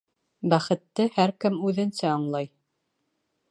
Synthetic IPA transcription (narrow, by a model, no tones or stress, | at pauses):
bæχɘ̆t̪ːɘhæɾkɘmʉðɘ̆nsæɑɴlˠɑj